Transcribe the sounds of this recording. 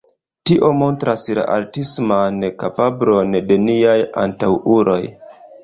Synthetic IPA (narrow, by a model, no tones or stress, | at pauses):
tiʔo̞mo̞ntɾasla̰ʔaɾtismanekapablo̞nde̞niaja̰ntawuɾo̞j